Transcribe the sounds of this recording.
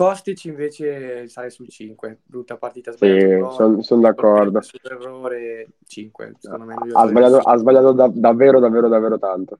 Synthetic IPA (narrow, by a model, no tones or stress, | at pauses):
pɔst̪it͡ʃiiɱveːt͡ʃesajsult͡ʃiŋkwebɾut̪ːapart̪iːt̪assisonsond̪akːɔrd̪oerːoːɾe | t͡ʃiŋkwḛna̰zbaʎːaːt̪oʔazbaʎːaːt̪od̪ad̪avːeːɾod̪avːeːɾod̪avːeːɾot̪ant̪o